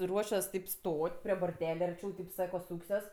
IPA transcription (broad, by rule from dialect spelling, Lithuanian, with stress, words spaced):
ˈruɔʃʲuɔs tɐɪp ˈstoːtʲ pʲrʲiɛ boːrʲˈtʲæːlʲɛ ɐrʲˈt͡ʃʲɛʊ tɐɪp ˈsɑːkoː ˈsuːksʲuɔs